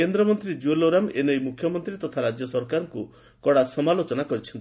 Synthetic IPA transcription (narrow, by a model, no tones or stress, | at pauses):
end̪ɾɔmɔnt̪ɾid͡ʒueloɾamenɔjmukʰjɔmɔnt̪ɾit̪ɔt̪ʰaɾad͡ʒjɔsɔɾkaɾɔŋku | kɔɽasɔmalot͡ʃɔnakɔɾit͡ʃʰɔnt̪i